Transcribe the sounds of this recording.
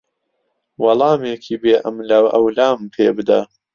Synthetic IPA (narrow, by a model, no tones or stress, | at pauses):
wɑlˠɑːmeːkʰiːbeːʔɐmlɐwʔɐ̰wlaːmpʰeːbɨd̪a̰